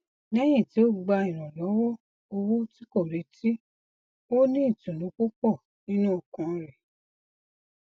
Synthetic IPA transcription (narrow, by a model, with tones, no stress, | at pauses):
nɛ̃˦j̃ĩ˦˨ti˨˦o˦ɡ͡ba˧ĩ˨ɾ̃ɔ̃˨lɔ˨˦wɔ˦ | o˧wo˦ti˦ko˦˨ɾe˨˦ti˦ | o˦nĩː˦˨tũ˨lõ˨˦k͡po˦k͡pɔ˦˨ | nĩ˦nũ˦ɔ˦˨kɔ̃˨˧ɾɛ˨